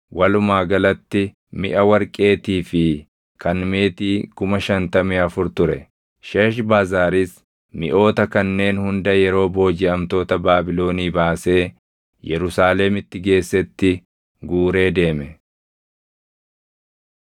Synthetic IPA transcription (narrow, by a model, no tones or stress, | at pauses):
wʔɐlʊmaːɡɐlɐt̪ːɪ | mɪʔɐwɐɾkʼe̞ːt̪iːfɪ | kʰɐnmeːt̪iːkʊmɐʃɐnt̪ɐmɛɐfʊɾt̪ʊɾɛ | ʃeːʃbaːzaːɾiːs | mɪʔo̞ːt̪ɐkɐnːe̞ːnhʊnd̪ɐjɛɾo̞ːbo̞ːd͡ʒɪɐmt̪o̞ːt̪ɐbaːbɪlo̞ːniːbaːse̞ː | jʔɛɾʊsaːlɛmɪt̪ːɪɡe̞ːsːɛt̪ːɪ | ɡuːɾe̞ːd̪e̞ːmɛ